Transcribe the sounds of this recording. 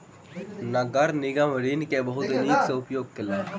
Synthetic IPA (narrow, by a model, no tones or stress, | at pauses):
nɐɡɐɾnɪɡaːməɾiːnkebɐɦʊt̪ɐniːkseʊpjoːɡ̚kɪleː